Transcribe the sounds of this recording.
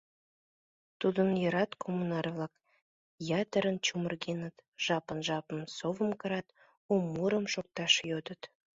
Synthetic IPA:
t̪ud̪ənjə̆ɾɑt̪kʰomunɑrβlɑk | jɑt̪əɾənt͡ɕumərɣenət̪ʒ̥ɑpənʒɑpəmsovəmkə̆ɾɑt̪ | umːuɾəmʃok̚t̪ɑʃjod̪ət̪

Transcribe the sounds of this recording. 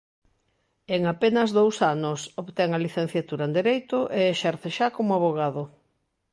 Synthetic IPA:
eŋapenɐzðowsanosoβt̪ɛŋɐliθẽn̟θjat̪uɾɐend̪eɾejt̪ʊʔeeʃɛɾθeʃakomʊaβoɣ̞aðʊ

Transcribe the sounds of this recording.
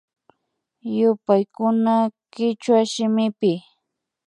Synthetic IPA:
jʊpajkʊnakɪt͡ʃwaʃɪmɪpɪ

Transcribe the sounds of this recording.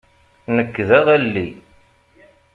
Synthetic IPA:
nəkːðæʁælːi

